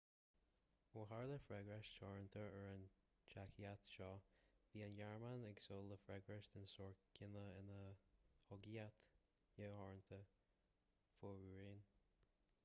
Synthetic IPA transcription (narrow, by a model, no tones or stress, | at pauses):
oːɦaɹləfɾɛɡɹɛʃtʰɔɹənt̪ʰəɹəɹan | t͡ʃakʰiat̪ʃɔːliːanjɛɹmanɛɡsoləfɾɛɡɹɛʃt̪ɪnsɔɹkʰɪnəɪnəhɔɡiat̪ | jəhɔɹnt̪ʰə | fɔɡɹeːn